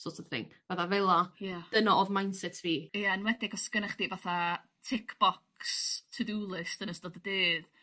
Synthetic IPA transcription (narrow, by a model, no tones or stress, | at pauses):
sotʰəθɪ̰ŋvaθavɛlˠajad̥ənɔɔvmajnsɛtʰviːjanwɛdɪɡɔsɡənaχd̥ivaθa | tʰɪkʰb̥ɔkstʰədulˠɨsd̥ənəsdodədeːð